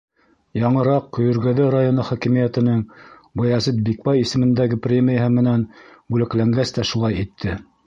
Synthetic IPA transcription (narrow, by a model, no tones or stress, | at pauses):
jɑɴɤ̆ɾɑqːŏjɵ̆ɾɡæðɘɾajonɤχɒkimijæt̪ɘ̆nɘŋ | bɤ̆jæzɘt̪̚bik̚bɑjisɘ̆mɘ̆nd̪æɡɘprʲemʲijəɦɤmɘ̆nænbʉlɘ̆klæŋɡæst̪æʃulˠɑjit̪ʰːɘ